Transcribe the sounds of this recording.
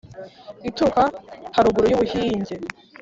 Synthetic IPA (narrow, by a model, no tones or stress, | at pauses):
itukahaɾuɡuɾojuβuhiːɲɟe